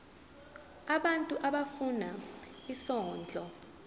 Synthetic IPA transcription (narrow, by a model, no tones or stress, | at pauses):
aɓantʼuʔaɓafuna | isɔːnd͡ɮʱɔ